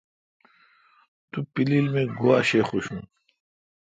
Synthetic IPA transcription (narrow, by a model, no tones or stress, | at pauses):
t̪upililmeɡuaɕeχuɕũn